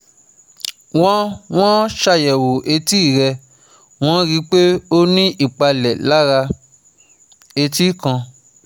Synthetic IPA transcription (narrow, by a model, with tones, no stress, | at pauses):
w̃ɔ̃˦w̃ɔ̃˦ʃa˧˨jɛ˨wo˨ʔe˧ti˦˨ɾɛ˧ | w̃ɔ̃˦ɾi˧˦k͡pe˦o˦nĩ˦ʔi˦˨k͡pa˧lɛ˨la˦ɾa˧ | e˧ti˦kã˧